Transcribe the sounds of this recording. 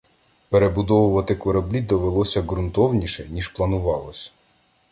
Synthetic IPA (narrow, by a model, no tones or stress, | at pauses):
peɾebʊd̪ɔʋʊʋɐt̪ɪkɔɾɐblʲid̪ɔʋelˠɔsʲɐɣɾʊnt̪ɔwnʲiʃɛnʲiʃplˠɐnʊʋɑlˠɔsʲ